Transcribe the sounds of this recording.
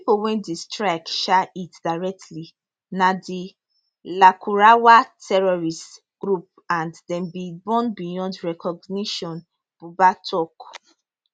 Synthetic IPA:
pipowɛ̃ndistɹakʃaitdaɹɛk̚tʰli | nadi | lakʰuɹawatʰɛɹɔɹist | ɡ̥ɹup̚ | ãnddɛ̃mbibɔ̃nbijɔ̃ndɹɛkɔɡniʃɔ̃n | b̥ubatʰɔk

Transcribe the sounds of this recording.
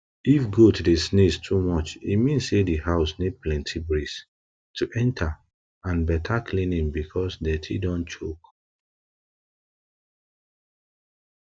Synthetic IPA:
ifɡotʰudesnestʰumɔt͡ʃḭmĩnsedihaʊsneplɛ̃ntʰibɹis | tʰuʔɛ̃ntʰa | ãnbɛtʰakʰlĩnĩŋbikʰɔsdɛtʰḭdɔ̃nt͡ʃok

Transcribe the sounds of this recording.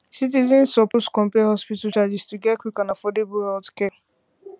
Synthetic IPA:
sit̬izɔ̃nsːɔposkɔ̃mpɛhɔspitat͡ʃad͡ʒistuɡɛkwikãnafɔdebʊhɛltkɛ

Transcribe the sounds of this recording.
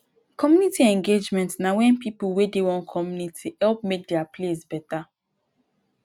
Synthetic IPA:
kɔmjunitiɛ̃ŋɡed͡ʒmɛ̃ntsnawɛ̃npipulwedewɔ̃nkʰɔmjunitʰihɛlp̚mek̚dɛaples̬bɛta

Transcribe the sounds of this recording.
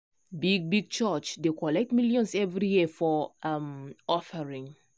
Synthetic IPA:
biɡ̚biɡ̚t͡ʃət͡ʃdekɔlɛk̚tmiljɔ̃nsɛvɹijifɔamɔfəɹĩŋ

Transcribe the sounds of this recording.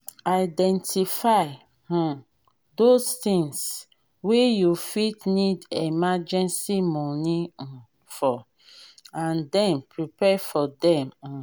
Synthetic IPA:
aɪdɛ̃ntʰifaɪ | hɔ̃ | dostĩŋs | wejufitnidemad͡ʒɛ̃nsimɔniɔ̃ | fɔ | ãndɛ̃mpʰɹipɛfɔdɛ̃mɔ̃

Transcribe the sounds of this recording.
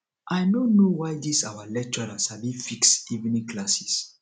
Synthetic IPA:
ʔajnonowajdisawalɛk̚t͡ʃɔɾashabĩfiksivnĩkʰlasis

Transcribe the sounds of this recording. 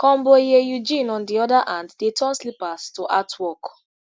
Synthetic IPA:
kɔ̃mbojejud͡ʒĩnɔ̃ndiɔdaʔãnddetʰɔ̃nslipastoʔatwɔk

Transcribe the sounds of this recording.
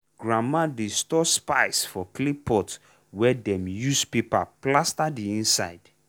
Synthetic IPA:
ɡɹamadistɔspaɪsfɔklipʰɔt | wɛdɛ̃mjuspipa̰plastadiĩnsa̰ɪd̥

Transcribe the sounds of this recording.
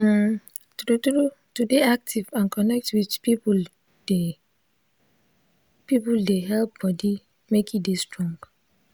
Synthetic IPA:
tutɾu | tudeak̚tʰivãnkʰɔnɛk̚twitpipul | de | pipuldeɦɛlp̚b̥ɔdi | mekidestɹɔ̃ŋɡ

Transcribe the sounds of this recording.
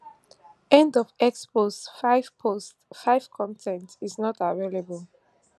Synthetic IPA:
ɛ̃ndɔvɛkspostfaɪvpʰostfaɪv̥kʰɔ̃ntʰɛ̃ntiznɔtavelebəl

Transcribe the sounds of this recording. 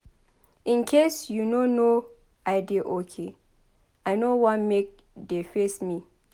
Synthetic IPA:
ʔɪ̃nkʰesjunono | ʔaɪdeʔokʰe | ʔajnowãnmek̚ | defesmi

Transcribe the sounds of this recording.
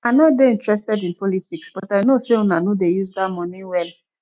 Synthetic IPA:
anɔt̚deĩntɹɛstɛdĩnpɔlitʰiksb̥ɔtaɪnoseɔ̃nanodejuzdamɔ̃niwɛl

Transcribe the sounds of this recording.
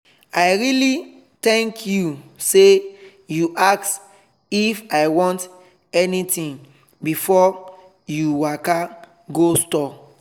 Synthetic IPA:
aɪɹili | tɛ̃ŋkʰjuse | juʔaks | ifaɪwɔ̃nt | ɛnitĩŋ | bifɔ | juwaka | ɡostɔ

